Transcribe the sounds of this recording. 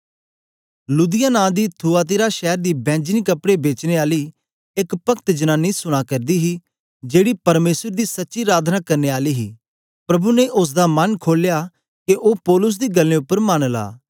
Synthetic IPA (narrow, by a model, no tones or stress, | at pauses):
luːd̪ɪjaːnãːd̪iːt̪ʰuaːt̪̬ɪɾaːʃɛːɾd̪iːbɛ̃ːd͡ʒniːkɐpɽebeːt͡ʃneːaːliː | ɪkpɐkʰt̪d͡ʒənaːnːiːsʊɽ̃aːkɐɾd̪iːɦiː | d͡ʒeːɽiːpɐɾmeːsəɾd̪iːsɐtːʃiɾaːd̪ʱnaːkɐɾneːaːliːɦiː | pɾɐbuneʔʊs̬d̪aːmɐnkʰoːljaː | keʔoːpɔːlʊs̬d̪iːɡəlːẽːʊpːəɾmaːnla̰ː